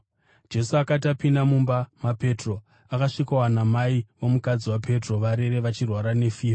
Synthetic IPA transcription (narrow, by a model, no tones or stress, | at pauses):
d͡ʒe̞suakat̬apindamumbamape̞tro̞ | akaʂikawanamaiwo̞mukad͡ziwapʰe̞tro̞ʋaɾe̞ɾe̞ʋat͡ʃirwaɾane̞fiːa